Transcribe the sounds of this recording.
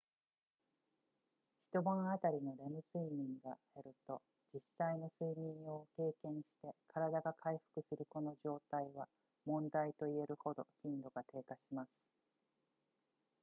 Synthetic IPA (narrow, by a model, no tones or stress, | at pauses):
çi̥t̪o̞bãɰat̪aɾʲino̞ɾe̞mɯ̟sɨimʲĩŋɡa | e̞ɾɯ̟t̪o̞ | d͡ʑisaino̞sɨimʲĩɰ̃o̞ke̞ːkẽ̞ɰ̃ɕi̥t̪e̞kʰaɾad̪aɡakʰaiɸɯ̥kɯ̟sɨɾɯ̟ko̞no̞ʑo̞ːt̪aiβa | mõ̞nd̪ait̪o̞ie̞ɾɯ̟ho̞d̪o̞̰çĩnd̪o̞ɡat̪e̞ːkaɕimasɨ̥